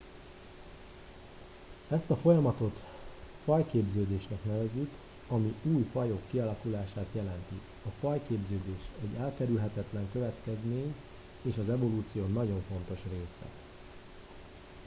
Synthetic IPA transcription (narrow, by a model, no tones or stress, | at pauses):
ɛst̪ɒfo̞jɒmɒt̪o̞t̪ | fɒjkeːbzøːd̪eːʃnɛknɛvɛzik | ɒmiuːjfɒjokːiɒlɒkulaːʃaːt̪jɛlɛnt̪i | ɒfɒjkeːbzøːd̪eːʃɛɟːɛlkɛɾylɦɛt̪ɛt̪lɛŋkø̞vɛt̪kɛzmeːɲ | eːʃɒzɛvo̞luːt̪sijoːnɒɟo̞ɱfo̞nt̪o̞ʃreːsɛ̰